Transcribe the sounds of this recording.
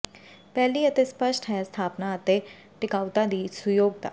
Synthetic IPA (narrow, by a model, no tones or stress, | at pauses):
pɛːliːət̪espəʃʈɦɛst̪ʰaːpnaət̪e | ʈɪkaːʊt̪ãd̪iːsʊjoːɡ̚d̪a̰ː